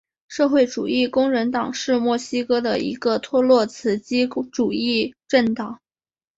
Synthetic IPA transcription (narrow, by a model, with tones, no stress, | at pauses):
ʂɤ˥˧xwe˥˩ɪʈ͡ʂu˨˩i˥˩kʊ˥ŋɻə˧˥nt̪ɑ˨˩ŋʂɻ̩˥˧mwɔ˥˩ɕi˥kɤ˥d̪ə̰˨ḭ˧˥ɡə˧t̪ʰwɔ˥lwɔ˥˩t͡sʰɹ̩˧˥t͡ɕi˥ʈ͡ʂu˨˩i˥˧ʈ͡ʂə˥˩nt̪ɑ˨˩˦ŋ